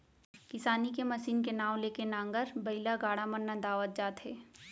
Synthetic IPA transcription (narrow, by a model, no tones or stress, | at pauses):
kɪsaːnikemɐsiːnkenaːw̃leːkenãːŋɡəɾbɐɪlaɡaːɽamənːad̪aːʋət̪̚d͡ʒaːt̪ɦɛː